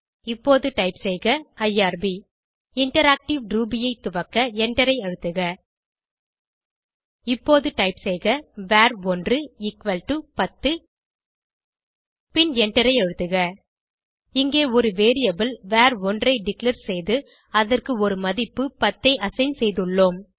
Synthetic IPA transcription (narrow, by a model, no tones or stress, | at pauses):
ɪpːoːðɯʈɐɪpsɛjɣɐɐjaːɾbi | ɪɳʈɐɾaːk̚ʈɪʋɖɾuːbɪjɐɪt̪ʊʋɐkːɐɛɳʈɐɾɐɪɐɻɯt̪ːɯɣɐ | ɪpːoːðɯʈɐɪpsɛjɣɐʋaːɾɔndrɯɪkʋɐlʈupɐt̪ːɯ | pɪnɛɳʈɐɾɐɪɐɻɯt̪ːɯɣɐ | ɪŋɡeːɔɾɯʋeːɾɪjɐbɐlʋaːɾɔndrɐɪɖɪklɐɾsɛjðɯ | ɐðɐrkɯɔɾɯmɐðɪpːɯpɐt̪ːɐɪʔɐsɐɪnsɛjðɯɭːoːm